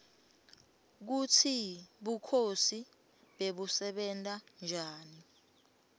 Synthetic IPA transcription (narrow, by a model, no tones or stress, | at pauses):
k̬utʰiɓukʰosi | ɓeɓusɛɓɛntʼand͡ʒʱaːni